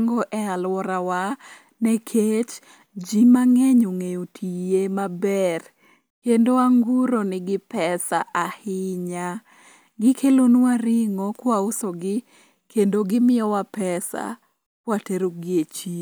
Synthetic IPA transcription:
ŋɡɔʔɛalwɔɾawa | nɛkʰet͡ʃ | d͡ʒimaŋɛɲoŋejotʰijemabɛr | kendoaŋɡuɾonɪɡɪpɛsaʔahɪɲa | ɡɪkʰelonwaɾɪŋokwaosoɡɪ | kendoɡɪmɪjɔwapɛsa̰ | pwateɾoɡɪet͡ʃi

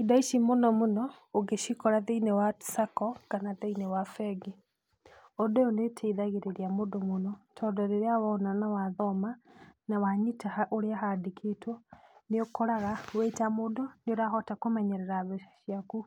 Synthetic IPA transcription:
idaiʃimonɔmonɔ | oɡeʃikɔɾaðeinewatsakɔkanaðeinewafɛɡi | odɔonetʰeðaɣeɾeɾiamodomonɔtʰɔdɔɾeɾeawɔnanawaðɔmanawaɲitahaʔoɾeaɦadikʰetwɔneokɔɾaɣawetamodɔneoɾaɦɔtakomɛɲɛɾɛɾaβɛʃiaku

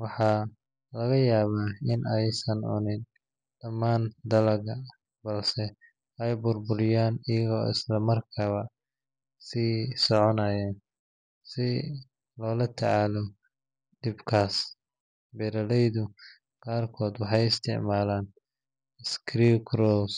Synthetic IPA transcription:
wɑħɑː | lɐɣɐjaːβaːɪnʔɛjsɐnʊ̰nɪd̪ | d̪̥ɐmːaːnd̪ɐlɐɣɐ | bɐlsɛ | ɛjbʊrbʊɾɪjaːnɪjɐɣɔːɪ̰slɐmɐrkʰɐβɐ | siːsɔʕɔnajaːn | sɪ | lɔːlɐt̪ʰɐ̰ʕaːlɔ | ɖ̥ɪbkʰaːs | bɛɾɐlɛjðʊ | qɑːrkʰɔːd̪wɑħɑjɪst̪ʰɪ̰ʕmaːlaːn | ɪskʰɾikɾɔs

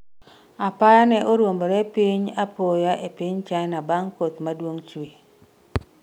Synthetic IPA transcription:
apajanɛʔoɾwomboɾɛpiɲapojaʔepiɲt͡ʃajnabaŋkot̪madwoŋt͡ʃwi

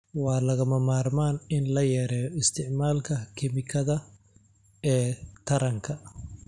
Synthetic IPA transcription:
wɑːlɐɣɐmɐmaːrmaːnɪnlɐjɛːɾɛːjɔɪst̪ʰɪʕmaːlkʰɐkʰɪmɪkʰɐðɐ | ɛːt̪ʰɐɾɐŋkʰɐ

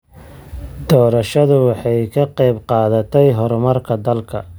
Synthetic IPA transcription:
d̪ɔːɾɐʃɐðʊwɑħɑjkʰɐqɑjbqɑːðɐt̪ʰɛjɦɔɾɔmɐrkʰɐd̪ɐlkʰɐ̰

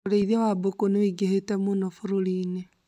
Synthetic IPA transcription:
ɾeiðewabokuniwiɡehetemunofuɾuliːne

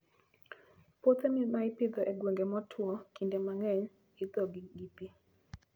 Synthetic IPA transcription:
pot̪ɛmimaɪpɪd̪ɔʔɛɡweŋɡemɔtʰwɔkindɛmaŋɛɲ | id̪ɔɡiɡipi

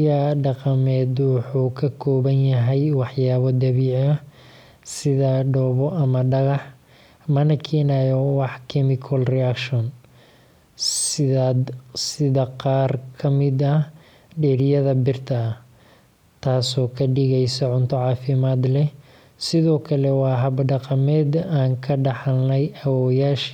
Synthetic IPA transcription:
jɐɖɑqɑmɛːd̪wɑħuːkʰɐkʰɔːβɐnjɐɦɛjwɑħjaːβɔd̪ɐβiːʕɐ | sɪðɐɖɔːβɔʔɐmɐɖɐɣɑħ | mɐnɐkʰɛːnajɔwɑħkʰɛmɪkʰɔlrɛakʃɔn | sɪðad̪sɪðɐqɑːrkʰɐmɪd̪ɐh | ɖɛːɾɪjɐðɐbɪrt̪ʰɐ | t̪ʰaːsɔːkʰɐɖɪɣɛjsɔʕʊnt̪ʰɔʕɑːfɪmaːd̪lɛ | sɪðɔːkʰɐlɛwɑːɦɐbɖɑqɑmɛːd̪aːŋkʰɐɖɑħɑlnɛjɐwɔːjaːʃ

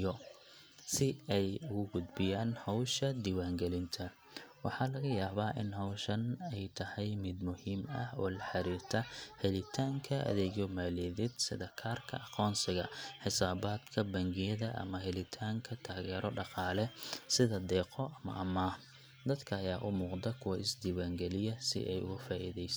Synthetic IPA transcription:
ɔ | sɪɛjʊɣʊɡʊd̪bɪjaːnhɔwʃɐd̪iːwaːŋɡɛlɪnt̪ʰɐ | wɑ̰ħɑːlɐɣɐjaːβaːʔɪnɦɐwʃɐnɛjt̪ʰɐhɛjmɪd̪mʊhiːmɐ̰hɔ̰ːlɐħɑɾiːrt̪ʰɐhɛlɪt̪ʰaːŋkʰɐɐ̰ðɛːɣjɔmaːlɛðɪd̪sɪ̰ðɐkʰaːrkʰɐ̰ɑqɔːnsɪɣɐħɪsaːβaːd̪kʰɐbɐŋɡɪjɐðɐʔɐ̰mɐɦɛlɪt̪ʰaːŋkʰɐt̪ʰaːɣɛːɾɔɖɑqɑːlɛsɪðɐd̪ɛːqɔʔɐmɐ̰ʔɐmaː | d̪ɐd̪kʰɐːjaːʔʊmuːqd̪ɐkʰʊwɐʔɪsd̪iːwaːŋɡɛlɪjɐsɪ̰ʔɛjʊ̰ɣʊfaːʔḭðɛjs

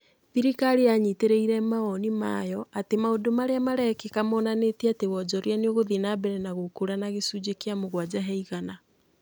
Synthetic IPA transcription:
ðiɾikaɾijaɲiteɾeiɾɛmaɔnima̰jɔatemaodomaɾeamaɾɛkekamɔːnanetiatewɔd͡ʒɔɾjaneoɣoðinabɛɾɛnaɣokuɾanaɣesud͡ʑekeamoɣwad͡ʑaɦɛiɣana

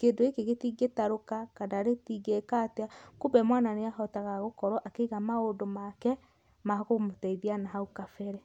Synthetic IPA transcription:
keːndoekeɣetiɡetaɾokakanaɾetiɡekateakobɛmwananeaɦɔtaɣaɣokɔɾɔʔakeiɣamaodomakɛ | maɣomotɛiðianaɦaukafɛɾɛ

